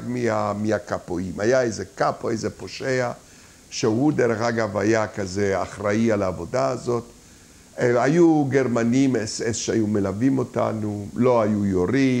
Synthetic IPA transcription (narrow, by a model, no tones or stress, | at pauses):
ɡmiamiakapoimajaejzekapoejzepoʃea | ʃeud̪eɾeχaɡavajakazeaχʁaialaːvo̞daazo̞t̪ | ajuɡeʁmanimesesʃeajumelavimo̞ta̰nulo̞ajujoɾi